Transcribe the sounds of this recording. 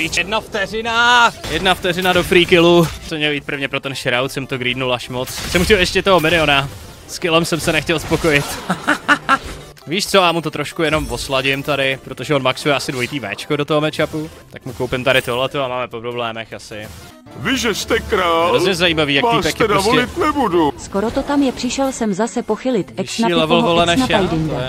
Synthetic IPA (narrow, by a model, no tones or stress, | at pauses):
vit͡ʃjɛdnaft̪ɛrɪnajɛdnaft̪ɛrɪnado̞fɾiːkɪlupsɛmɲɛljiːt̪̚pɾvɲɛpɾo̞t̪ɛnʃɛɾawt̪sɛmt̪oɡɾiːdnulʔaʃmot͡ssɛmxcɛljɛʃcɛt̪oɦomɪlɪo̞na | skɪlɛmsɛmsɛnɛxcɛlspo̞ko̞jɪt̪ | viːʃt͡so̞amut̪ot̪ɾo̞ʃkujɛno̞mvo̞slaɟɪmt̪adɪpɾot̪o̞ʒɛo̞nmaksujɛasɪdvo̞jit̪iːvɛ̰ːt͡ʃkodo̞t̪oɦomɛt͡ʃapu | t̪akmukowpɪmt̪aɾɪt̪o̞ɦlɛt̪o̞amaːmɛpo̞pɾoblɛːmɛxasɪ | vɪʒɛst̪ɛkɾaːlozɲɛzajiːmaviːjaktaiːspɛkɛdavolɪt̪nɛbuduskoɾot̪ot̪amjɛpr̥ɪʃɛlsɛmzasɛpoxɪlɪt̪ɛsnailɛvl̩volɛnɛʃaajdɪndɛ